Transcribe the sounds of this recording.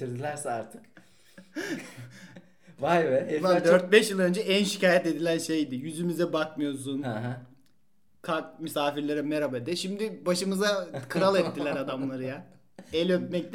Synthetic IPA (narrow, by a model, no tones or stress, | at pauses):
iɾd̪ilʲæɾsɛaɾt̪ʰɯ̥k | vajvɛvad̪øɾt̪̚bɛʃjɯlˠø̞nd͡ʒɛænʃi̥caːjɛt̪e̞d̪ilʲænʃe̞jd̪ijyzymizɛbakmɯjo̞ɾs̬unɦa | kʰat̪mysaːfiɾlʲeɾɛmeɾabed̪ɛʃimd̪ɪbaʃɯmɯzakʰɯɾalˠɛt̪ːilʲæɾad̪amlˠaɾɯja | ɛlʲøt̪̚mɛc̚t̪